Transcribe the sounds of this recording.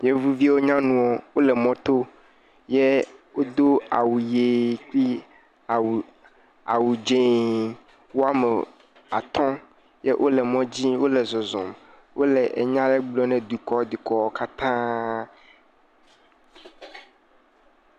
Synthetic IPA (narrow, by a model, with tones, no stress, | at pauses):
je˦vu˦vi˦wo˦ɲã˦nũ˨wo˨wo˦lɛ˨mɔ̃˦t̪o˦ | je˦wo˦d̪o˦a̰˨wu˨je˨k͡pi˦˨ | w | a̰˨wu˨d͡ʒẽ˦ | wo˦a˦mɛ˨ | a˨t̪ɔ̃˦ | je˦ʔo˦lɛ˨mɔ̃˦d͡ʑi˦wo˦lɛ˨zɔ˨zɔ̰̃˨m | wʔo˦lɛ˨ʔḛ˨ɲã˦lɛ˦ɡ͡blɔ˦nɛ̃˨d̪u˨kɔ˦d̪u˨kɔ˨˦ka˦t̪ã˦